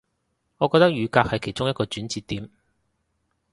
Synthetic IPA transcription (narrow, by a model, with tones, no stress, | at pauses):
ŋɔː˨˧kɔː˧k̚t̪ɐ˥k̚jyː˨˧kaː˧k̚hɐ˨jkʰe˨˩jt͡ʃʊ˥ŋjɐ˥t̚kɔː˧t͡ʃyː˨˥nt͡siː˧t̪ːiː˨˥m